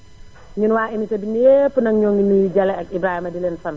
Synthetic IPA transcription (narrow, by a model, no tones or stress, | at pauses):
ɲunwaːʔimitɐbinepːənɐŋɲɔːŋinujd͡ʒɐlɛɐk̚ibɾaːhimɐdilenfɐn